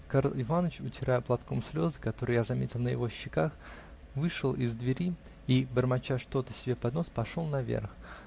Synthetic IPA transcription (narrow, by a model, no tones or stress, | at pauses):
kaɾlˠɪvanət͡ɕʊtʲɪɾajʊplˠɐt̪ko̞msʲlʲo̞zɨkɐt̪o̞ɾɨjazɐmʲetʲɪlˠnəjɪ̰vo̞ɕːɪkax | vɨʂəlˠɪzd̪vʲɪɾʲi | ibərmɐt͡ɕaʂt̪o̞t̪əsʲɪbʲe̞pɐd̪no̞spɐʂo̞lˠnɐvʲḛrx